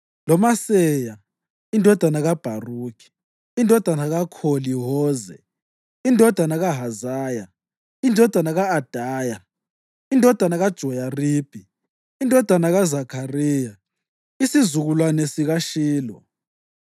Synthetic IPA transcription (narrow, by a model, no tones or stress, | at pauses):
lɔmasɛja | indʱɔd̥ʱanaɣab̥ʱaruːkʰi̥ | indʱɔd̥ʱanaɣakʰoliɦɔːzɛ̰ | indʱɔd̥ʱanaɣaɦazaːja | indʱɔd̥ʱanaɣaːd̥ʱaːja | indʱɔd̥ʱanaɣad̥ʒ̥ʱɔjarib̥ʱi | indʱɔd̥ʱanaɣazakʰariːja | isizuɣulwanɛsiɣaʃiːlɔ̰